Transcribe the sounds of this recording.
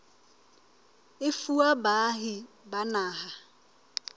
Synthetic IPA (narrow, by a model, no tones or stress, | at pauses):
ɪfuabaɦɪ | banaːɦa